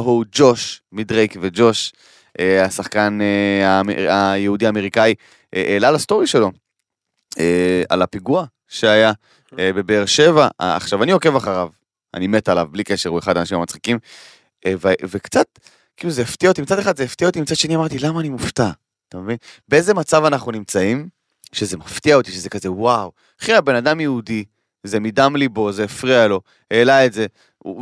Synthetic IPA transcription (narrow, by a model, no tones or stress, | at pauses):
hud͡ʒo̞ʃmidʁejkved͡ʒo̞ʃ | ʔeasaχkaneamajehudiaːme̞ʁikai | eʔelalast̪o̞ʁiʃe̞lo̞ | ea̰lapiɡua | ʃeaja | ebe̞beːʁʃe̞va̰a̰χʃavanio̞ke̞vaχaʁav | a̰nime̞t̪alavblikeʃeʁueχad̪anaʃimamat͡sχikim | evvekt͡sat̪ | kiluzeeft̪iaot̪imit͡sad̪eχad̪zeeft̪iaot̪̬imit͡sad̥̪ʃe̞niamaʁt̪ilamaːnimuft̪a | t̪amevinbeeze̞mat͡savanaχnunimt͡saim | ʃeze̞maft̪iaot̪iʃeze̞kazewaw | χiabe̞nad̪amjeudi | ze̞mid̪amlibo̞zeːfʁialo̞ | eːlaetze̞ | ṵ